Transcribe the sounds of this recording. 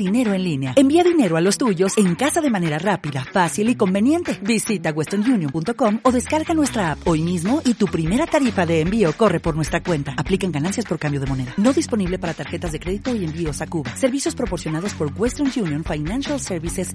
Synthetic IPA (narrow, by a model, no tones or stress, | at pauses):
ine̞ɾo̞e̞nlineae̞mbiaðine̞ɾoalo̞st̪uʝo̞se̞ŋkasaðe̞mãne̞ɾarapiðafasiliko̞mbenje̞nt̪e̞bisit̪aɣwest̪onʝunjõmpunt̪oko̞mo̞ðe̞skaɾɣanwest̪ɾaapo̞jmizmo̞it̪upɾime̞ɾat̪aɾifaðe̞ːmbio̞ko̞re̞po̞ɾnwe̞st̪ɾakwe̞nt̪aːplikaŋɡanansjaspo̞ɾkambjo̞ð̞e̞mo̞ne̞ðano̞ðispo̞niβle̞paɾat̪aɾxe̞t̪azðe̞kɾe̞ðit̪o̞iembio̞sakuβase̞ɾβisjo̞spɾo̞po̞ɾsjo̞naðo̞spo̞ɾɡwest̪onʝunjonfajnanʃalseɾβises